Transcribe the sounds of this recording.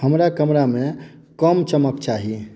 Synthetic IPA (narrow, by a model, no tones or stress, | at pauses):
həmɾakəmɾame | kəmt͡ʃəməkt͡ʃaɦi